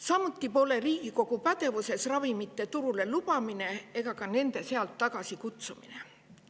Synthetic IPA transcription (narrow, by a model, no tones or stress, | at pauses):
sɑmut̪ːˑipo̞ːleriːɡ̥iko̞ɡ̥upæt̪e̞vuse̞srɑvimit̪ːˑe̞t̪uɾule̞lub̥ɑmine̞e̞ɡ̥ɑkɑne̞nd̪̥e̞se̞ɑlt̪ːɑɡ̥ɑsikut̪sumḭne